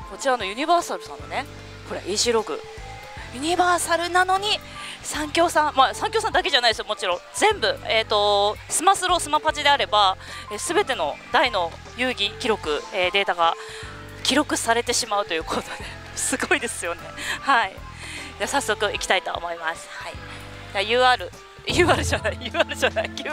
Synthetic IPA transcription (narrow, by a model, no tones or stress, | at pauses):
ko̞t͡ɕiɾano̞jɯ̟ɲ̟iβaːsaɾɯ̟sãnːo̞̰ne̞ | ho̞ɾa̰ʔiʑiɾo̞ɡɯ̟̰ | jɯ̟ɲ̟ibaːsaɾɯ̟nano̞ɲ̟i | sãŋkʲo̞ːsãmasãŋkʲjo̞ːsãnd̪ak̬e̞ʑanaid̪esɨjomo̞t͡ɕiɾõ̞d͡zẽ̞mbɯ̟eːt̪ːo̞sɨmasɨɾo̞sɨmapat͡ɕid̪e̞aɾe̞ba | eːsɨbe̞t̪e̞no̞d̪aino̞ | jɯ̟ːɡʲikʲiɾo̞kɯ̟e̞ːd̪e̞ːt̪aɡa | kʲiɾo̞kɯ̟saɾe̞t̪e̞ɕimaɯ̟t̪o̞jɯ̟ːkʰot̪o̞d̪e̞ | sɨɡo̞id̪e̞sɨjo̞ne̞hai | d͡ʑasasːo̞kɯ̟ikʲi̥t̪ait̪o̰ːmo̞imasɨ̥hai | d͡ʑajɯ̟ːaɾɯ̟ | jɯ̟ːaɾɯ̟ʑanaijɯːaɾɯʑanaikʲ